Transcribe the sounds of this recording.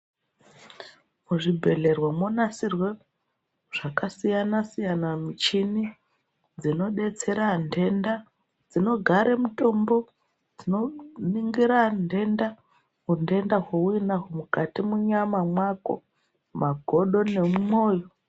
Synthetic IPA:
muʐibʱe̞ɮe̞rwamo̞nasirwe | ʐ̥akasijanasijanamit͡ʃini | d͡zino̞ɗe̞t͡se̞ɾande̞nda | d͡zino̞ɡʱaɾemuto̞mbo̞ | d͡zino̞niŋɡiɾande̞nda | ɦunde̞ndaɦouinaɦomukatimuɲamamwako̞̰ | maɡʱo̞ɗo̞ne̞mmo̞ːjo

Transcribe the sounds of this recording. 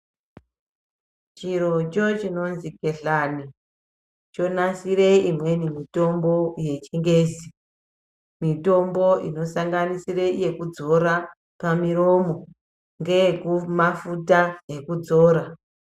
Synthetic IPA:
t͡ʃiɾo̞t͡ʃo̞t͡ʃino̞nziɡe̞ɬani | t͡ʃo̞nasiɾe̞imwe̞nimito̞mbo̞je̞t͡ʃiŋɡe̞ːzi | mito̞mbo̞ʔino̞saŋɡanisire̞je̞kud͡zo̞ɾa | pamiro̞ːmo̞ | ŋɡe̞kumafutaɦe̞kud͡zo̞ːɾa

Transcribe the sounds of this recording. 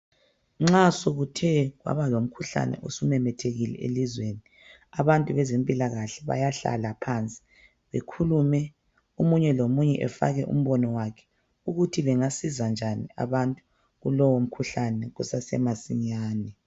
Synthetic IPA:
ŋ͡ǁasoɣutʰɛɣwa̰βalom̩kʰuɬa̰nɛ̰ʔosumɛmɛtʰeɣilɛ̰elizweni | aβantʼuβɛzempʼilaɣaɬɛβa̰jaɬa̰lapʰant͡sʼi̥ | βḛkʰulumɛ | omuɲɛlomuɲɛʔɛ̰fa̰ɣɛʔṵm̩βɔnɔwakʰɛ̥ | uɣutʰiβɛŋasizand͡ʒʱania̰βantʼu̥ | ɣulɔwom̩kʰuɬanɛɣusasɛ̰masiɲaːnɛ

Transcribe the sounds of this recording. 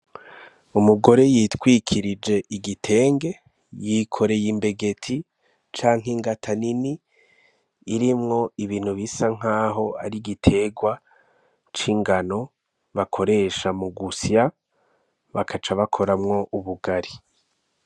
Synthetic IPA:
umuɡo̞ɾe̞jitwiːkʰiɾid͡ʒe̞ʔiɡitʰe̞ːŋɡe̞ | jikʰo̞ɾe̞jimbe̞ɡe̞tʰi | t͡ʃaːŋ̥iŋɡatʰanini | ɾimŋo̞iβiːn̥huβisaŋ̥aːɦo̞aɾiɡitʰe̞ɡwa | t͡ʃiŋɡano̞ | βakʰo̞ɾe̞ʃamuɡusija | βakʰat͡ʃaβakʰo̞ɾamŋo̞ʔuβuɡaɾi

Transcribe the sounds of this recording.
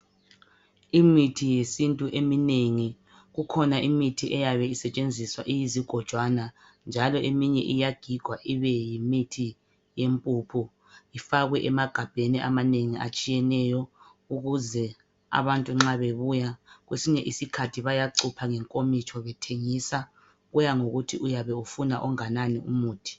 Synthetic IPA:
imitʰijesintʼuʔemineŋi | ɣukʰɔnaʔimitʰiʔɛjaβɛisɛt͡ʃʼend͡zʱiswaʔijiziɡ̥ʱɔd̥ʒ̥ʱwana | nd͡ʒʱalɔʔemiɲɛʔijaɡ̥ʱiɡ̥ʱwaʔiβɛjimitʰi | jempʼupʰu | ifaɣwɛʔɛmaɡ̥ʱab̥ʱeniʔa̰maneŋiʔa̰t͡ʃʼijɛnɛːjɔ | uɣuzɛ | a̰βantʼuŋ͡ǁaβeβuːjaɣwesiɲɛʔisikʰatʰiβajaǀupʰaŋɛŋkʼomit͡ʃʰɔβɛtʰeŋiːsa | ɣujaŋoɣutʰiujaβɛufunaʔɔŋananiṵmuːtʰi̥

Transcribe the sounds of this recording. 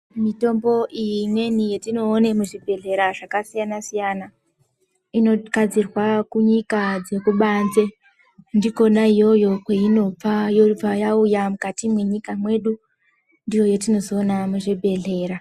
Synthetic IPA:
mito̞mbo̞ʔijimwe̞nijetino̞ːne̞muʐibʱe̞ɮe̞ɾaʐakasijanasijana | ino̞kad͡zirwakuɲikad͡zekuɓanze̞ | ndiko̞naijo̞jo̞kweino̞p͡fajo̞ub͡vajaujamukatimwe̞ɲikamwe̞ɗu | ndijo̞jo̞tino̞zoːnamuʐibʱe̞ɮe̞ːɾa

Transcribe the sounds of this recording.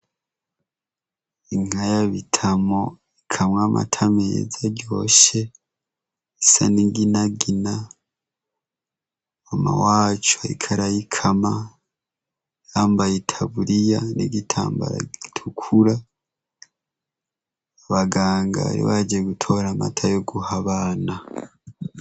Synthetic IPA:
iŋ̥ajaβitʰamo | ikʰamŋamʔa̰tʰameːzaɟo̞ːʃe | isa̰niɡinaɡina | ama̰waːt͡ʃaḭkʰaɾajikʰama | jaːmbajetʰaβuɾijaniɡitʰa̰ːmba̰ɾa̰ɡitʰukʰuɾa | βaɡaːŋɡa̰ɾḭβaɟeɡutʰo̞ɾama̰tʰajoɡuhaβaːna

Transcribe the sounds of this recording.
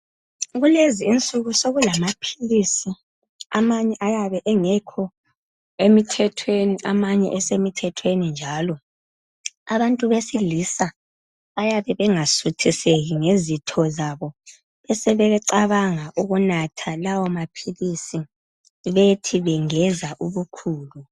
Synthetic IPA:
ɣuleziːnt͡sʼuɣusoɣulamapʰilisi | amaɲɛʔajaβɛʔɛŋɛkʰɔ | emitʰɛtʰweniamaɲɛ̰ʔɛsemitʰɛtʰwenind͡ʒʱaːlɔ | aβantʼuβesilisa | ajaβɛβɛŋasutʰiseɣiŋezitʰɔzaβɔ | βɛsɛβɛβɛǀaβaŋaʔuɣunatʰalawɔmapʰilisi | βetʰiβɛŋɛzaʔuβukʰuːlu

